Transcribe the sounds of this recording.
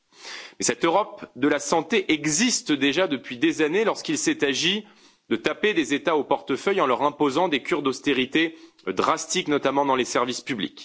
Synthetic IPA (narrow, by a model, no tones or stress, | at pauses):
mɛsɛt̪øʁɔpd̪əlasɑ̃t̪eʔɛɡzist̪d̪eʒad̪əpɥid̪ezanelɔʁskilsɛt̪aʒi | d̪ət̪aped̪ezet̪aopɔʁt̪əfœjɑ̃lœʁɛ̃pozɑ̃d̪ekʲyʁd̪ost̪eʁit̪e | d̪ʁast̪iknɔt̪amɑ̃d̪ɑ̃lesɛʁvispyblḭk